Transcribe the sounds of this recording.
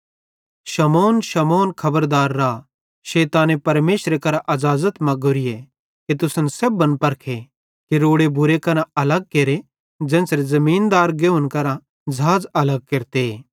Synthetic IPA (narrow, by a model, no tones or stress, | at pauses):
ʃɐmɔːnʃɐmɔːnkʰɐbəɾd̪aːɾːa | ʃeːt̪ãːnepɐɾmeːʃɾekɐɾãʔɐzaːzət̪mɐ̃ɡʊɾɪje | kit̪̬ʊsənsebːɐnpɐɾkʰe | kiɾoːɽebʊɾekɐɾãʔɐlɐɡ̚keːɾe | d͡ʒɛ̃ːsɾezɐmiːnd̪aːɾɡeʊnkɐɾã | d͡ʒʱaːd͡zɐləɡ̚keɾt̪e